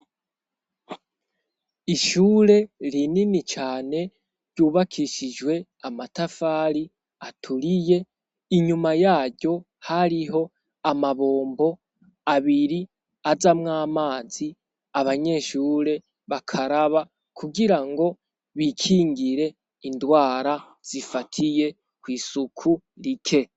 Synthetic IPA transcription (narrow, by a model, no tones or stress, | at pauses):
iʃuːɾe̞ɾininit͡ʃaːne̞ | ɾɟuːβakʰiʃid͡ʒwe̞ | amatafaːɾi | atʰuɾije̞ | iɲumajaːɾɟo̞ | haɾiɦo̞ | amaβo̞ːmbo̞ | aβiɾi | azamŋaːmaːzi | aβaɲe̞ːʃuːɾe̞ | βakʰaɾaβa | kʰuɡiɾaŋɡo̞ | βikʰiːŋɡiɾe̞ | indwaːɾa | z̥ifatʰije̞ | kwiːsukʰu | ɾikʰe̞